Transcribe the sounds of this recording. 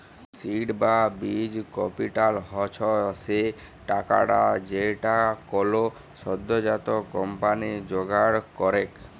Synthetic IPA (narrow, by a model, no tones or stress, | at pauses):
siɖbabid͡ʒkɔpiʈalɦɔt͡ʃʰɔse | ʈaka̰ɽad͡ʒeʈakɔlo | sɔd̪ːɔd͡ʒat̪ɔkɔmpanid͡ʒoɡaɽkɔɾek